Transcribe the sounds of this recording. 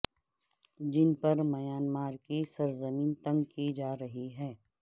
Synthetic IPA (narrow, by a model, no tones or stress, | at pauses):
d͡ʒɪnpɐɾmɐjaːnmaːɾkisɐɾzɐmiːnt̪ɐ̃ŋɡkid͡ʒaːɾɐɦiɦɛː